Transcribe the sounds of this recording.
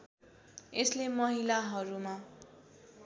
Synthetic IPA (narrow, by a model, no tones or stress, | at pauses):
eslemʌɦilaɦʌɾuma